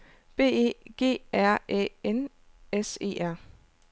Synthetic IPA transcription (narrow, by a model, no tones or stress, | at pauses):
b̥e̝̰ːḛɡ̥e̝̰ːæɐ̰ʔḛen | ese̝̰ːæɐ̰